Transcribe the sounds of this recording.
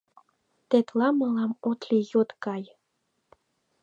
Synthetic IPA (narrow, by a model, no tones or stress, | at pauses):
t̪et̪lɑməlɑmot̪lijot̪kɑj